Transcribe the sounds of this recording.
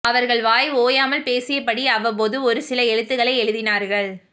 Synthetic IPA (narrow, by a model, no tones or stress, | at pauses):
ɐʋɐɾɣɐɭʋaːjoːjaːmɐlpeːsɪjɐpːɐɽiɐːʋɐp̬oːðɯɔɾɯsɪlɐɛɻɯt̪ːɯɣɐɭɐɪɛɻɯðɪnaːɾɣɐɭ